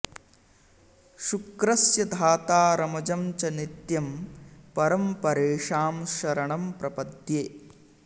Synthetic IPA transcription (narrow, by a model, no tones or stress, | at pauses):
ʃukɾɐsjɐd̪ʱaːt̪aːɾɐmɐd͡ʒɐmt͡ʃɐnit̪jɐmpɐɾɐmpɐɾeːʂaːmʃɐɾɐɳɐmpɾɐpɐd̪jeː